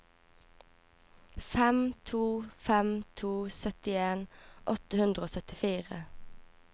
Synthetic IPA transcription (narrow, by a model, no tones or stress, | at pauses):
fɛmt̪ʰuːfɛmt̪ʰuːsœt̪ɪeːnʔɔt̪əhʉnd̪ʁəoːsœt̪ɪfiːʁə̰